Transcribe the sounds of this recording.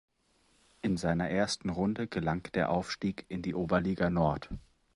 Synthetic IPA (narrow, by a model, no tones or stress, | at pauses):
ʔɪnzaɪnɐʔeːɐstn̩ʁʊndəɡ̥əlaŋd̥eːɐʔaʊfʃtiːkɪndiːʔoːbɐliːɡanɔɐt